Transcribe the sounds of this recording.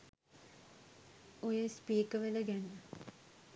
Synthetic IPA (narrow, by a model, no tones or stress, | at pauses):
ojəspiːkəʋələɡænːə